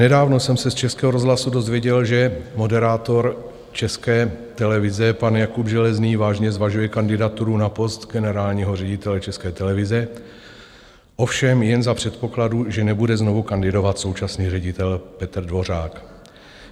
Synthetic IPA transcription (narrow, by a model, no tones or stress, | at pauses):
nɛdaːvno̞sɛmsɛst͡ʃɛskɛːɦoɾo̞zɦlasudo̞zvjɛɟɛlʒɛmo̞dɛɾaːt̪o̞ɾ | t͡ʃɛskɛːt̪ɛlɛvɪzɛpanjakubʒɛlɛzniːvaːʒɲɛzvaʒujɛkandɪdat̪uɾunapo̞st̪ɡɛnɛɾaːlɲiɦo̞r̝ɛɟɪt̪ɛlɛt͡ʃɛskɛːt̪ɛlɛvɪzɛ | ʔo̞fʃɛmjɛnzapr̝̥ɛt̪po̞kladuʒɛnɛbudɛzno̞vukandɪdo̞vat̪so̞wt͡ʃasniːrɛɟɪt̪ɛlpɛt̪r̩dvo̞r̝aːk